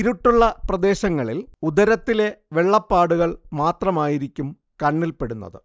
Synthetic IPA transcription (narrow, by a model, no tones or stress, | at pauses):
ɾuʈːuɭːɐprɐd̪e̞ːɕɐŋːɐɭilud̪ɐɾɐt̪ːile̞ʋe̞ɭːɐpːaːɽuɣɐɭmaːt̪rɐmaːjiɾikʲːum | kɐɳːilpe̞ɽunːɐ̰ðɨ